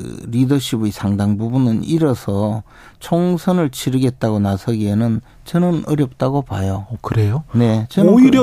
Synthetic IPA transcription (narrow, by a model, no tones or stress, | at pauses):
ɯ̰ɾidʌɕʰibuisʰaŋdaŋbubunɯniɾʌsʰʌ | t͡ɕʰoŋsʰʌnɯɭt͡ɕʰiɾɯɡe̞t̚t͈aɣonasʰʌɡienɯn | t͡ɕʌnɯnʌɾjʌp̚t͈aɡopajokɯɾejone̞t͡ɕʌoiɾjʌ